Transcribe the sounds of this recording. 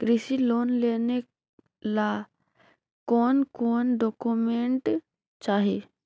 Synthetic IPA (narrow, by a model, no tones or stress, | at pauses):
kɾisiloːnleːne | la | kɔːnkɔːnɖɔːkumẽɳʈ | t͡ʃaːɦeː